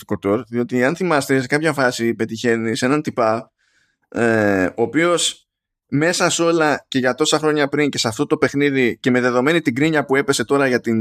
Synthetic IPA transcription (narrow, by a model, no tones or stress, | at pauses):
t̪i̥kot̪o̞ɾðio̞t̪iɐnθimɐst̪e̞sekɐpçɐfɐsipe̞t̪içe̞nise̞nɐnt̪ipɐp | oːpio̞s | me̞sɐso̞lɐce̞ʝɐt̪o̞sɐxɾo̞ɲɐpɾiɲce̞sɐft̪o̞t̪o̞pe̞xniðice̞me̞ðe̞ðo̞me̞nit̪iɡɾiɲɐpue̞pe̞se̞t̪o̞ɾɐʝɐt̪in